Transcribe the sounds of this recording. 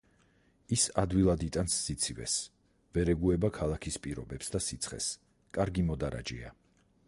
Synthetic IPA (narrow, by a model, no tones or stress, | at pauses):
isad̪wilˠad̪it̪ʼansːit̪sʰivɛ̰s | vɛɾɛɡuɛbakʰalˠakʰispʼiɾɔbɛpsd̪asit̪sʰχɛ̰s | kʼaɾɡimɔd̪aɾa̰d͡ʒḭa